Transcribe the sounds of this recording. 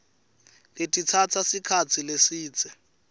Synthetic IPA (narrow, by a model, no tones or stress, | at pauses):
letʼit͡sʰat͡sʰasikʰat͡sʰilesiːt͡sʼɛ